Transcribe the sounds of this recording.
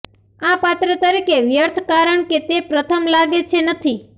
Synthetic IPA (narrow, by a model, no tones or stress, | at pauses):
apat̪ɾət̪əɾikeʋjəɾt̪ʰkaɾəɳket̪epɾət̪ʰəmlaɡet͡ʃʰenət̪ʰi